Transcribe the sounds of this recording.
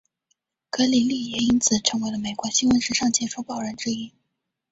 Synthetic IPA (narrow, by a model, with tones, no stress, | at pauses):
kɤ˧˥li˨˩li˥˩jɛ˨˩i˥nt͡sʰɹ̩˨˩ʈ͡ʂʰɤ˧˥ŋwe˧˥ɪlə˧me˨˩ɪkwɔ˧˥ɕi˥nwə˧˥nʂɻ̩˧˥ʂɑ˥˩ŋt͡ɕʰjɛ˧˥˩ʂu˧˥pɑ˨˩ʊɻə˧˥nʈ͡ʂɻ̩˥˧i˥